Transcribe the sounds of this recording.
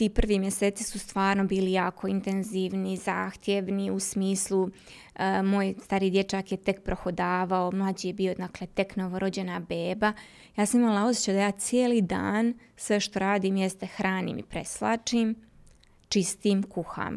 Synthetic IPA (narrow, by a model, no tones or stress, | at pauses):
t̪iːpr̩ʋiːmjese̞ːt̪i̥sust̪ʋaːɾnobiːlijaːkʰo̞int̪enziːʋnizaːxt̪jeʋniusmiːslˠu | moːjst̪aɾiːd̪je̞t͡ʃakjet̪e̞kpɾoxod̪aːʋaomlˠad͡ʑijebiːo̞d̪aːklet̪e̞knoʋoɾod͡ʑe̞nabeːba | jaːsamimalˠao̞sjet͡ɕed̪ajaːt̪sijeːliːd̪a̰ːn | sʋeʃt̪o̞ɾaːd̪iːmjest̪exɾaːnḭːmḭpɾeslˠa̰ːt͡ʂiːm | t͡ʃist̪iːmkuxa̰m